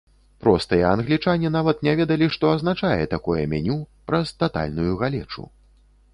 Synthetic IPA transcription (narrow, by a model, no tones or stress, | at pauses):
pɾɔst̪ɨjɛːnɣlʲit͡ʂanʲin̪avɐt̪nʲɛvʲɛd̪ɐlʲiʂt̪ɔɐznat͡ʂajɛ̰t̪akujɛ̰mʲɛnʲupɾɐst̪at̪a̰lʲnujuɣalʲɛ̰t͡ʂṵ